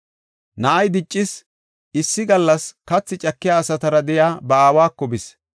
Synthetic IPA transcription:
nɐʔɐjd̪ɪt͡ʃʼːɪs | ɪsːɪɡɐlːɐskɐt͡sːɪt͡ʃʼɐkːɪjaːsɐt̪ɐɾɐd̪ɛjaːbɐaːwaːkːɔbɪs

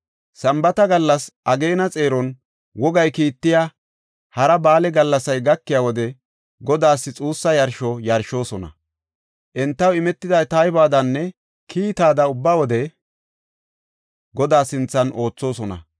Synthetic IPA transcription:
sɐmbɐt̪ɐɡɐlːɐsʔɐɡe̞ːnɐt͡sʼe̞ːɾɔn | wɔɡɐjkiːt̪ːɪja | hɐɾɐbaːlɛɡɐlːɐsɐjɡɐkːɪjawɔd̪ɛ | ɡɔd̪aːsːɪt͡sʼuːsːɐjɐɾʃɔjɐɾʃo̞ːsɔnɐ̰ | ʔɛnt̪ːɐwɪmɛt̪ːɪd̪ɐjt̪ajbaːd̪ɐnːɛ | kʰiːt̪aːd̪ɐʊbːawɔd̪ɛ | ɡɔd̪aːsɪnt͡sːɐnʔo̞ːt͡sːo̞ːsɔnɐ̰

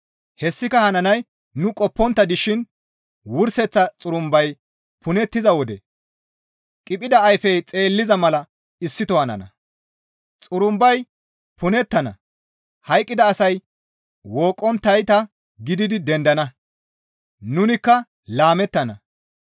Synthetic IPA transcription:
hɛsːɪkɐhɐnɐnɐj | nʊkʼɔpːɔnt̪ːɐd̪ɪʃɪn | wʊɾsɛt͡sːɐt͡sʼʊɾʊmbɐj | pʊnɛt̪ːɪzɐwɔd̪ɛ | kʼɪpʼɪd̪ɐɐjfɛjt͡sʼe̞ːlːɪzɐmɐlɐ | ɪsːɪt̪ɔhɐnɐ̰nɐ̰ | t͡sʼʊɾʊmbɐj | pʊnɛt̪ːɐnɐ̰ | hɐjkʼːɪd̪ɐːsɐj | woːkʼːɔnt̪ːɐjt̪ɐ | ɡɪd̪ɪd̪ɪd̪ɛnd̪ɐnɐ | nʊnɪkːɐ | laːmɛt̪ːɐnɐ

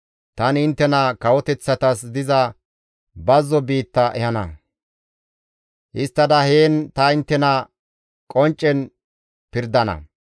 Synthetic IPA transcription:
t̪ɐnɪnt̪ːɛnɐkɐwɔt̪ɛt͡sːɐt̪ɐsd̪ɪzɐ | bɐzːɔbiːt̪ːɐʔɛhɐnɐ̰ | ʔɪst̪ːɐd̪ɐheːnt̪ɐɪnt̪ːɛnɐ | kʼɔnt͡ʃʼːɛn | pɪɾd̪ɐnɐ̰

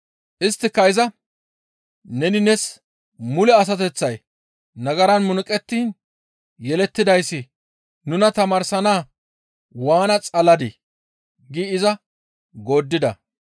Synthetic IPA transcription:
ʔɪst̪ːɪkːɐɪzɐ | nɛnɪnɛs | mʊlɛɐs̬ɐt̪̬ɛt͡sːɐj | nɐɡɐɾɐnmʊnʊkʼɛt̪ːiːn | jɛlɛt̪ːɪd̪ɐjsːɪ | nʊnɐt̪ɐmɐɾsɐnaː | waːnɐt͡sʼɐlɐd̪ɪ | ɡiːɪzɐ | ɡo̞ːd̪ːɪd̪ɐ̰

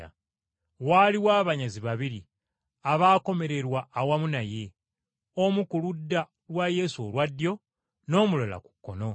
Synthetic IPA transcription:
a̰ | waliwaːβaɲaziβaβiɾi | aβaːko̞me̞ɾe̞ɾwaːwamunaje̞ | omukuludːa | lwaje̞suolwadjo̞ | no̞ːmulola̰ku̥kːo̞no̞

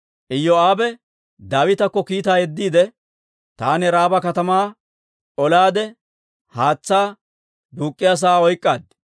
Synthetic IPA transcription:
ʔɪjːɔaːbɛ | d̪aːwɪt̪ɐkːɔkiːt̪aːjɛd̪ːiːd̪ɛ | t̪aːnɛɾaːbɐkɐt̪ɐmaː | ɔlaːd̪ɛ | haːt͡sːaː | d̪uːkʼːɪjaːs̬aːɔjkʼːaːd̪

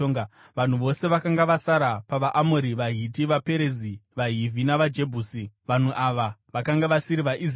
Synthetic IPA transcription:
oŋa | ʋan̤uʋo̞se̞ʋakaŋɡaʋasaɾapaʋaʔamoɾiʋaɦit̬iʋape̞ɾeziʋaɦivʱinaʋad͡ʒe̞bʱuːsiʋan̤uʔaʋaʋakaŋɡaʋasiɾiʋaʔiz

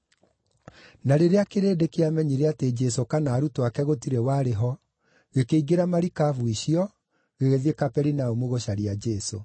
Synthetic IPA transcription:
naɾeɾeakeɾeːdekeamɛɲiɾeated͡ʒɛsokanaːɾutoakɛɣotiɾewaɾeɦɔ | ɣekeiɡeɾamaɾikavuiʃiɔ | ɣeɣeðekapɛɾinaomwoɣoɕaɾiad͡ʒɛso̰

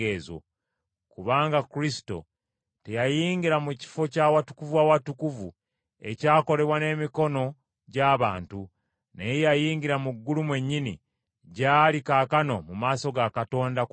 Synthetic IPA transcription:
eːzo̰ | kuβaːŋɡakuɾisi̥to̞̰ | te̞jajiːŋɡiɾamuci̥fo̞caːwatu̥kuvwawatukuvu | e̞̰caːko̞le̞βwane̞ːmiko̞no̞ | ɟaːβaːntu | nejajiːŋɡiɾamuɡːulumwe̞ɲːini | ɟaːlikaːkano̞mumaːso̞ɡakato̞ːnda

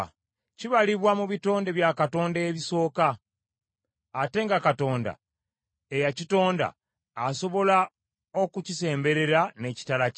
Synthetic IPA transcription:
ciβaliβwamuβito̞ːnde̞βjakato̞ːndeβiso̞ːka | te̞ːŋɡakato̞ːnda̰ | ejacito̞ːnda̰ː | so̞βo̞la | o̞kucise̞ːmbe̞ɾe̞ɾane̞ci̥tala

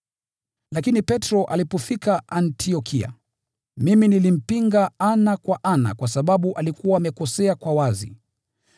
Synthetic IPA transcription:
lakinipɛtɾɔʔalipɔfikaantʰiɔkʰia̰ | miminilim̩piŋɡaanakwaʔana̰kwasaɓaɓuʔalikuwaːmɛkɔsɛakwawazḭ

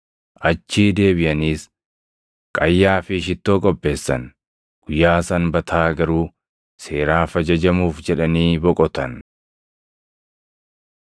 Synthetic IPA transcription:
ʔɐt͡ʃːiːd̪e̞ːbɪjɐniːs | kʼɐjːaːfɪʃɪt̪ːo̞ːkʼɔbːe̞ːsːɐ̰n | ɡ̥ʊjːaːsɐnbɐt̪ʰaːɡɐɾuː | se̞ːɾaːfɐd͡ʒɐd͡ʒɐmuːfd͡ʒɛᶑɐniːbɔkʼɔt̪ɐn

